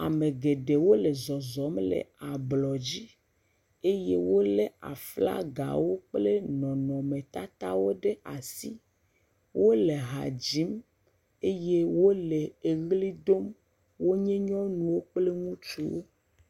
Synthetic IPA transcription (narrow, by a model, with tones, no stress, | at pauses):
a̰˨me˨ɡe˨ɖe˨wo˦le˨zɔ˨zɔ˨˦mlḛ˨a˨blɔ˨d͡ʑi˦ | e˦je˦wo˦le˦a̰˨fla̰˦ɡa̰˨wo˦k͡ple˦nɔ̃˨nɔ̃˨mẽ˨t̪a˦t̪a˦wo˦ɖe˦ʔa˨si˦ | wo˦le˨ɦa̰˨d͡ʑi˨˦m | e˦je˦wo˦le˨e˨ɣli˦d̪o˦m | wo˦ɲẽ˦ɲɔ̃˦nũ˨wo˦k͡ple˦ŋũ˦t͡ʃu˦wo˦